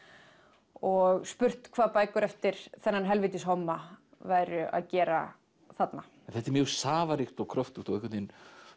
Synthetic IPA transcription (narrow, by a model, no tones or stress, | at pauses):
ɔɣspʏr̥t̪kʰvaːðpaːjkʏɾɛft̪ɪɾ̥θɛnːanɦɛlvɪjt̪ɪsɦɔmːa | vaːjɾʏʔa̰ðcɛːɾa̰ | θat̪na | ɛnθɛt̪ɛɾmjœːɣsaːvaɾixt̪ɔwkʰɾœft̪ut̪ɔwɛhkvɛt̪in